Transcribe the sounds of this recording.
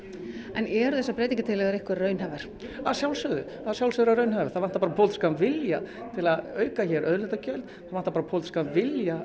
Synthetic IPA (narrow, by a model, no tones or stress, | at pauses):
ɛnɛɾʏðθɛsːapɾɛːt̪ĩŋɲcɪt̪ʰɪlɛɣaɾehkvɪɾːœːɥnɦavaɾ̥ | aðsjawlsʏðʏ | aðsjawlsʏːðʏɾaɾœːɥnhavɪ̥ɾθaðvan̥t̪apaːɾapʰowlt̪kavɪlja | t̪ʰɪlaðœːɥkaçɛɾʔœðlɛt̪acœɥlt̪θaðvan̥t̪apaɾapʰowlt̪ɪ̥kavɪlja